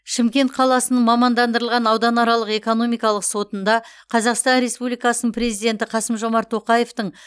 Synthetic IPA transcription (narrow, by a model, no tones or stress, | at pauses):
ʃɪmkʲe̞nt̪̚qʰɑlˠɑsənəɴmɑmɑnd̪ɑnd̪əɾəlˠʁɑnɑwd̪ɑnɑɾɑlˠəqe̞ko̞no̞mijkɑlˠəqso̞t̪ənd̪ɑ | qʰɑzɑqst̪ɑnɾe̞spublijkɑsənəpɾe̞zijd̪ʲe̞nt̪ɪqʰɑsəmʒo̞mɑɾt̪ʰːo̞qɑje̞ft̪əɴ